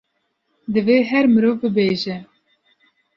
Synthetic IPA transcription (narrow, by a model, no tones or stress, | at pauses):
d̪ɨveːɦɛɾmɨɾoːvbɨbeːʒɛ